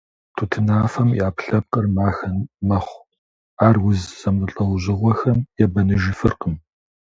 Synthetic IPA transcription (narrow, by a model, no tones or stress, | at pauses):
tʰutʰɨnaːfɐmjaːpɬɐp̚qərmaːxɐnːɐχʷ | aːrwʊzz̥ɐmɨɬʼɐwʑɪʁʷɔxɐmjɛbɐnɨʒɪfɨrqəm